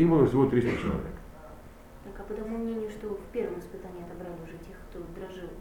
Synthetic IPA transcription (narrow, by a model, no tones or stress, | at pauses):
ibɨlˠəsʲvot̪ɾist̪ət͡ɕɪ̰lˠɐ̰vʲḛk | t̪akɐpət̪ɐmumnʲenʲɪjʊʂt̪ofʲpʲe̞rvəmɪspɨt̪anʲɪɐt̪ɐbɾalʲɪʊʐɛtʲe̞xkt̪od̪ɾɐʐɨlˠ